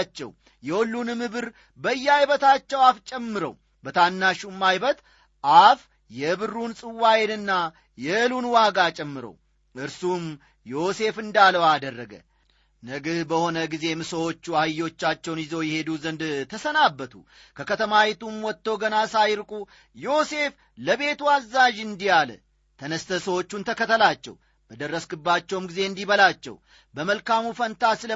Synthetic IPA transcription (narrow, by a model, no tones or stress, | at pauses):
t͡ʃːɛ̰w | jɛwɔlːunɨmɨβɨɾ | bəjːajβət̪at͡ʃːɛwaft͡ʃʼɛmːɨɾə̰w | bət̪ʰanːaʃumːajbət̪ | ʔaf | jɛβɨrːunsʼɨwːajenɨnːa | jɛlunwaɡat͡ʃʼɛmːɨɾə̰w | ɨɾsum | jo̞se̞fɨnd̪aləwad̪ərːəɡə̰ | nəɡɨhbəho̞nəɡize̞mɨsəwo̞t͡ʃːuajːo̞t͡ʃːat͡ʃːɛwnjɪzo̞wjɛhe̞d̪uzənd̪t̪ʰəsənabːət̪ʰṵ | kʰəkət̪ʰəmawet̪umwɔt̪ːəwɡənasajɾkʼu | jo̞se̞f | ləβe̞t̪uazːaʒɨnd̪ijalə̰ | t̪ʰənəst̪ʰəsəwo̞t͡ʃːunt̪ʰəkət̪ʰəlat͡ʃːɛ̰w | b̥əd̪ərːəskɨbːat͡ʃːɛwmɡize̞ɨnd̪iβəlat͡ʃːɛ̰w | bəməlkamufənt̪ʰasɨlə